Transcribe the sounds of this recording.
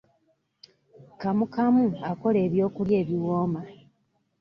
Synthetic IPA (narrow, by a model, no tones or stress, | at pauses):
kamukamuako̞le̞ːβjo̞ːkulje̞ːβiwoːma